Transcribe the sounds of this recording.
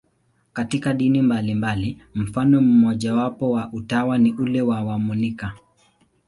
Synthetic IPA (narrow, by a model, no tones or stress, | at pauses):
katikaɗinimbalimbalim̩fanɔm̩mɔʄawapɔwaʔutawaniʔulɛwawamunika